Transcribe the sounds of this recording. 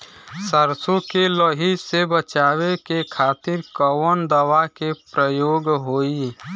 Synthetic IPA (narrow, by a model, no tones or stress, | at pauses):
səɾsõkelɔɦisebət͡ʃaːwekekʰaːt̪ɪɾkəwənd̪əwakepɾəjoːɡɦoːi